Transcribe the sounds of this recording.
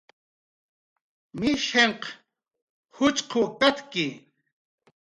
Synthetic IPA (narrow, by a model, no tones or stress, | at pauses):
mɪʃeɴq | hʊt͡ʃqʰokat̪kɪ